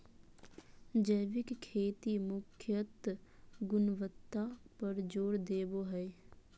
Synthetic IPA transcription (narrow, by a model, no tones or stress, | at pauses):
d͡ʒəjʋɪkkʰːeːt̪imʊkʰjət̪ɡʊnʋət̪ːapəɾd͡ʒoːɾd̪eːboɦɛ